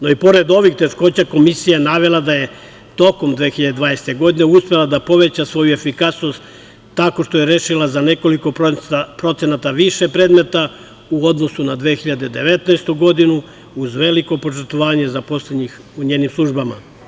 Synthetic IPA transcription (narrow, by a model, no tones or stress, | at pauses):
noipo̞ɾe̞d̪o̞ʋixt̪e̞ʃko̞ːt͡ɕako̞misijanaʋe̞lˠad̪aje̞ | t̪o̞ko̞md̪ʋeːxiʎad̪ed̪ʋaːnese̥t̪e̞ɡo̞d̪ineuspe̞lˠad̪apo̞ʋe̞t͡ɕasʋo̞jue̞fikasno̞st̪ː | ako̞ʃt̪o̞jeɾe̞ːʃilˠazane̞ko̞liko̞pɾo̞t̪se̞nat̪aʋiʃe̞pɾeːd̪me̞t̪a | uo̞d̪no̞sunad̪ʋeːxiʎad̪ed̪e̞ʋe̞t̪naest̪uɡo̞d̪inu | uzʋe̞liko̞po̞t͡ʃeɾt̪oʋaːɲezapo̞sled̪ɲix | uɲe̞ːnimslˠuʒbama̰